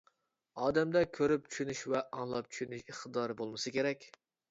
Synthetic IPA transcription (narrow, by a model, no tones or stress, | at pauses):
ɑːd̪ɛmd̪ɛkʲʰøɾyp̚t͡ʃʰy̥ʃynyʃvɛʔɑŋlˠɑp̚t͡ʃʰy̥ʃynyʃiχt̪ɨd̪ɑɾbolˠmɨsɨkʲeɾɛkʲ